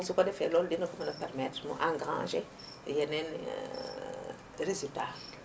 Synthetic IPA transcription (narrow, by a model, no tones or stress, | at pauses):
sukʷadefeloldinokumanapɛɾmɛtɾmṵʔãɡʁã̰ʒe | jenen̰ | ɾezita